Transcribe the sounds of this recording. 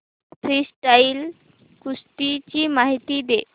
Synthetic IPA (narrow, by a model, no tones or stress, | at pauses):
pʰɾisʈajl | kusʈit͡ɕimaɦit̪id̪e